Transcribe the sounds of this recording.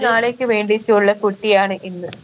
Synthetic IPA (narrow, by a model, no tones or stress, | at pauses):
naːɭekʲːɨʋeːɳɖit͡ɕːuuɭːɐkuʈːijaːɳɨʔenːɨ